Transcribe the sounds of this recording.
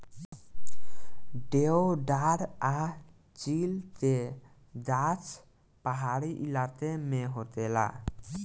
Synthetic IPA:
ɖeoɖaɾa | t͡ʃilt̪e | d͡ʒat͡ʃ | paɦaɾiʔilat̪emeɦot̪ela̰

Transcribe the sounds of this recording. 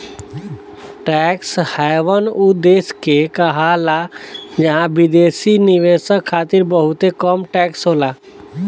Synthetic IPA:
ʈɛkshɛjʋənud̪eːskekəɦalad͡ʒɐɦãbɪd̪eːsiniʋeːsəkʰːaːt̪iɾbəɦut̪ekəmʈɛːksɦoːla

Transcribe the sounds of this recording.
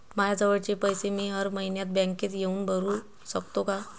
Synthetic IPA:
majad͡zəʋəɽt͡ɕepəjsemiːɦəɾməɦinjat̪̚bɛ̃ŋket̪jeuːnbʱəɾu | səkt̪oka

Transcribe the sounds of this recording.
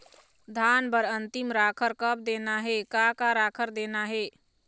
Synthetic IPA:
d̪ʱanbəɾənt̪imɾakʰəɾkəb̚d̪enaɦekakaɾakʰəɾd̪enaɦe

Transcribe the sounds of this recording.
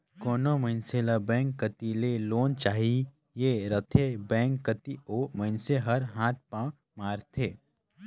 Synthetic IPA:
koːnoməɦɪnselabɛ̃ːŋkːət̪ileloːnt͡ʃaːɦi | jeɾət̪ʰebɛ̃ːŋkːət̪ioːməɪnseɦɐɾɦãːt̪̚ʰpãː | maːɾt̪ʰeː

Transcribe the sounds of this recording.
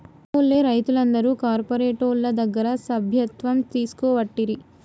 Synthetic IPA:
oːlːeːɾɐjt̪ulɐnd̪ɐɾuːkaːɾpɐɾeːʈoːɾlɐd̪ɐɡːɐɾɐsɐbʱjɐt̪ʋɐmt̪iːsu̥kɔːʋɐʈːiɾi

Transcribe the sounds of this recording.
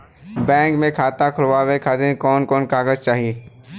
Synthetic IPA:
bɛ̃ːŋkmẽkʰaːt̪akʰʊlʋawekʰaːt̪ẽkɔːnkɔːnkaːɡəzt͡ʃaːɦieː

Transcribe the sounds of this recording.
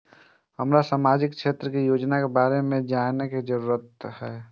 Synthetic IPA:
həmɾasaːmaːd͡ʒɪk̚ʃʰeːt̪ɾəkijoːd͡ʒnakebaːɾemẽd͡ʒaːneked͡ʒəɾuːɾət̪hɛː

